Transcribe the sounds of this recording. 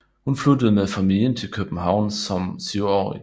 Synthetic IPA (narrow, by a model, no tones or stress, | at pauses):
hunflud̥ð̞̩ˠmefæmil̰jənt͡sʰe̝lkʰøb̥n̩ɦɑ̈ʊ̰nsɒ̽msyʊɒ̰ːi